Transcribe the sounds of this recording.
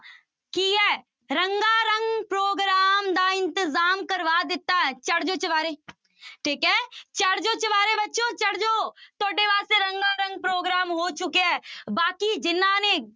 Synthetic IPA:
kiɦɛː | ɾɐ̃ŋɡaːɾɐ̃ŋɡpɾoːɡɾaːmd̪aɪ̃nt̪ɪzaːmkɐɾʋad̪ɪt̪ːaɦɛːt͡ʃɐɽ̤d͡ʒoːt͡ʃɪʋaːɾeː | ʈʰiːkɦɛːt͡ʃɐɽ̤d͡ʒoːt͡ʃɐʋaːɾebɐtːʃõt͡ʃɐɽ̤d͡ʒoːt̪oːɖeʋaːseɾɐ̃ŋɡaɾə̃ŋɡ̚pɾoːɡɾaːmɦoːt͡ʃʊkeɦɛːbaːkid͡ʒɪnane

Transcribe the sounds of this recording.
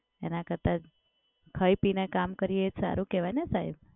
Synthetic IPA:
ḛnakəɾt̪at͡ʃ | kʰəjpinekamkəɾijeed͡ʒsa̰ɾũkeʋajnesaɦib

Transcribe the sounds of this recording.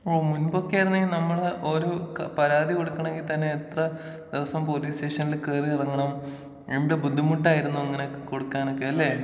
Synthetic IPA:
oːmunbokːijaːjɾunːɐeŋɡilnɐmːɐɭʔoːɾupɐɾaːd̪ʱiko̞ɽukːɐɳɐmeŋɡilt̪ɐnːeːt̪rɐ | d̪̥iʋɐsɐmpo̞ːliːsteːʂɐnːilkeːriɐrɐŋːɐɳɐm | imɖebud̪ʱːimuʈːaːjiɾunːuɐŋːɐneokːekoɽukːaːnokːeɐlːeː

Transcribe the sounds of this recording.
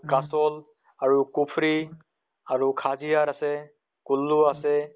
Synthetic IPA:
kasol | aɾukupʰɾi | aɾukʰad͡ʒijaɾase | kulːuase

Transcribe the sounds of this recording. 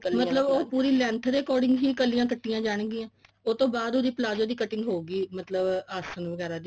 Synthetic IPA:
mət̪ləboːpuːɾiːlɛ̃ːnt̪ʰɾeːkɔːɾɖɪ̃ŋɡɦiːkəlːiːãːkəʈːɪjãːd͡ʒaːɳ̃ɡɪːãː | ot̪õːbaːd̪oːd̪iːpəlaːd͡ʒõːd̪iːkəʈɪ̃ŋɡɦoːɡiːmət̪ləbaːsənʋəɡɛːɾaːd̪i

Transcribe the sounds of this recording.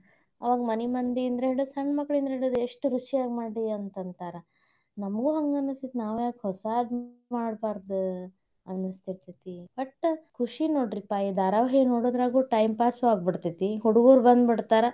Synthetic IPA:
ɐ̰ʋaːɡɐmɐnimɐnd̪iːnd̪ɾeɦeɽod̪sɐɳɖmɐkːɭiind̪ɾeɦeɽɖod̪eʂʈɾut͡ʃiaːɡmaːɖiɐnt̪ɐnt̪aːɾɐ | nɐmɡuːɦɐŋɡɐnɐst̪it̪naːʋjaːkhɔsaːd̪maːɽbaːɾd̪u | ɐnɐst̪iɾt̪it̪ibɐʈːkʰuʂinoːɽɾipaːjid̪aːɾaʋɐɦinoːɽoːd̪ɾaːɡuːʈɐjmpaːsaːɡ̚biɽt̪it̪iɦuɽuɡuːɾbɐnd̪biɽt̪aːɾɐ

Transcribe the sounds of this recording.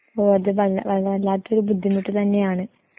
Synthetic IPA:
oːɐðɨʋɐlɐʋɐlːɐlːaːt̪ːo̞ɾubud̪ʱːimːiʈːɨt̪ɐnːe̞jaːɳɨ

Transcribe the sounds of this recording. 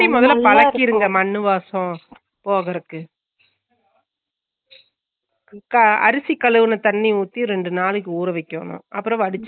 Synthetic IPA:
imɔðɐlpɐɭlɐkːɪɾɯŋɡɐmɐɳːɯʋaːsɔ̃ | poːɣɐɾɯkːɯ | kɐɐ̰ɾɯsikːɐɭɯʋɯnɐt̪ɐɳːiuːt̪ːiɾɛɳɖɯnaːɭɯkːɯuːɾɐʋɐɪkːo̰ːnʊ̰̃ːʔɐpːɯɾɔ̃ɐɽɯt͡ʃː

